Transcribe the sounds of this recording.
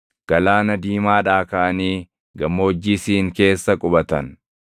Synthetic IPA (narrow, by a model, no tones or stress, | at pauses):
ɡ̥ɐlaːnɐd̪iːmaːᶑaːkɐʔɐniː | ɡɐmːoːd͡ʒːiːsiːŋke̞ːsːɐkʼʊbɐt̪ɐn